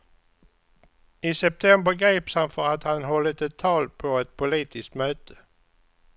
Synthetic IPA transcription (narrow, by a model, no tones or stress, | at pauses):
ɪsɛp̚t̪ʰɛmbəɾɡɾiːpshanfœɾat̪hanɦɔlːət̪ɛt̪ʰːɑːlpʰɔɛt̪̚pʰʊliːt̪ʰɪskt̪møːt̪ʰə̥